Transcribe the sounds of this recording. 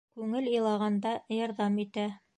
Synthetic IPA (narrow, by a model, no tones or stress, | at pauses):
kʉŋɘlɤ̆lˠɑʁɑnd̪ɑjɑɾðɑmit̪æ